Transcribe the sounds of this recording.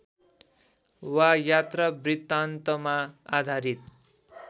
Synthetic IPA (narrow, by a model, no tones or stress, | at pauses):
wajat̪rʌbrit̪ːant̪ʌmaad̪ʱaɾit̪̚